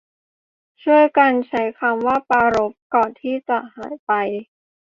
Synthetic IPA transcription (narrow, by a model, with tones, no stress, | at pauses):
t͡ɕʰu˥˩əjka˧nt͡ɕʰa˦˥jkʰa˧mwaː˥˩paː˧ɾo˦˥p̚kɔː˨˩nt̪ʰiː˥˩t͡ɕa˨˩ʔhaː˩˦jpa˧j